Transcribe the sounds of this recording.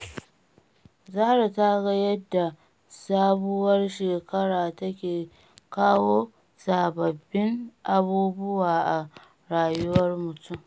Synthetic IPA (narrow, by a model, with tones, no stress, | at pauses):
zaː˦ɽa˨ta˦ɡɐ˦jɐ˦dːa˨ | saː˦bʊ˦wɐ˦rʃeː˨kɐ˦ɽaː˨tɐ˦kʲeː˨ | kaː˦woː˦ | saː˨bɐ˨bːɪ˦ŋʔa˨buː˦bʊ˦waː˨ʔa˨ | ɽaː˨jʊ˦wɐ˦rmʊ˨tʰʊ˦m